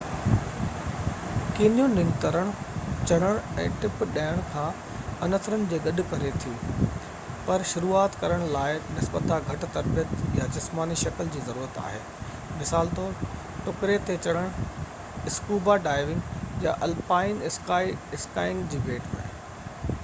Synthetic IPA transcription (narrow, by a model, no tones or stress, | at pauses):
kinijõnɪ̃ŋɡt̪əɾəɽ̃ʊt͡ɕɐɽ̤̃əɽ̃ɛ̰̃ːʈɪpɗaːəɽ̃kʰãː | ɐnət̪ʰɾənɪ̆d͡ʑeːɡɐɗʊ̆kɐɾet̪ʰijũː | pɐɾʃʊɾuːaːt̪kɐɾəɽ̃laːɪnɪsbət̪ʰaɡʱɐʈt̪ɐɾpijət̪jad͡ʑɪsmaːniʃɐkəld͡ʑiːzɐɾuːɾət̪a̰ːɦḛː | mɪsaːlt̪oːɾ | ʈʊkɾet̪ʰet͡ɕɐɽ̤əɽ̃ | ɪskuːbaɖaːɪʋɪ̃ŋɡja̰ʔɐlpaːɪnɪskaːiɪskaːɪ̃ŋɡd͡ʑiːbʱeːʈmḛ̃